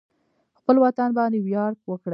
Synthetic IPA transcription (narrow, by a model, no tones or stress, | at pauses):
xpəlwɑt̪anbɑnd̪ewjɑɾd̪wəkɽə